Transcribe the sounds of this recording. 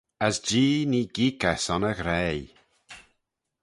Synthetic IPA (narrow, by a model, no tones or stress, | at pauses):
əsd͡ʒiːniːɡ̥ikɛsɔnəɣɾɛːj